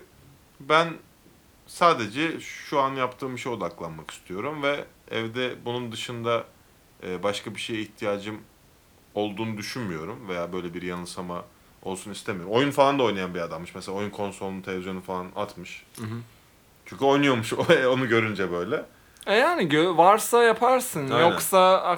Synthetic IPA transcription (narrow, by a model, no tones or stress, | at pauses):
bæn | saːd̪e̞d͡ʒɛʃuanjapt̪ʰɯːmbiʃejo̞d̪aklˠanmaki̥st̪ʰijo̞ɾumvɛɛ̰vd̪ɛbunund̪ɯʃɯnd̪aː | baʃkabiʃejiçt̪ʰijaːd͡ʒɯm | o̞lˠd̪uːnud̪yʃynmijo̞ɾumve̞jaːbø̞jlʲɛbiɾjanɯsama | o̞lˠsunist̪ʰemijoɾmo̞junfalˠand̪ao̞jnajanbiad̪amːɯʃmɛselʲaːojunkʰo̞nso̞lˠunt̪ʰeevizjonufalˠana̰t̪mɯʃ | t͡ʃʰyɲcʲyo̞jnujo̞ɾmuʃɛo̞nuɟø̞ɾynd͡ʒɛbø̞jlʲɛ | ɛjaːnɪɟøvaɾsajapʰaɾsɯnajoksa